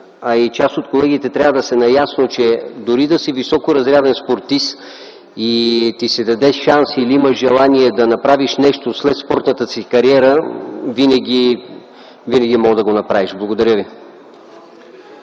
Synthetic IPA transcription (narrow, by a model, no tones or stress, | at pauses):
ɐit͡ʃast̪ot̪kolɛɡit̪ɛt̪ɾʲavəd̪ɐsɛnɐjasnot͡ʃɛd̪oɾid̪ɐsivisɔkoɾɐzɾʲjad̪ɛnspoɾt̪is | it̪isɛd̪ɐd̪ɛʃansiliiməʒɛlˠaniɛd̪ɐnɐpɾaviʃnɛʃt̪oslɛt̪spɔɾt̪nət̪əsikɐɾiɛɾəvinɛɡʲi | vinəɡ̟imɔd̪ɐɡonɐpɾaviʃblˠɐɡod̪ɐɾʲjəvi